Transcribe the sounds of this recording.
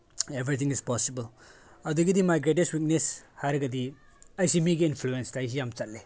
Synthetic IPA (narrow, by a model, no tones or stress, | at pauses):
ebɾit̪ʰiŋispɔsibɐl | ɐduɡidimajɡɾet̬estwik̚neshajɾɐɡɐdi | ɐjsimiɡiinpʰluenstajs̬ijamt͡ʃɐt̚le